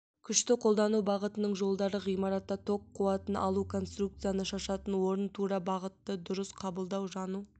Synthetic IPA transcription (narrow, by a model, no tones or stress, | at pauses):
kʲʰʏʃt̪ɪqʰo̞lˠd̪ɑnubɑʁət̪ənəɴʒo̞lˠd̪ɑɾəʁijmɑɾɑt̪ːɑt̪ʰo̞qʰːuɑt̪ənʔɑ̰lˠukʰo̞nst̪ruk̚t̪sɨjanəʃɑʃɑt̪ənwo̞ɾənt̪ʰuɾɑbɑʁət̪ːəd̪ʊɾəsqʰɑbəlˠd̪ɑwʒɑnu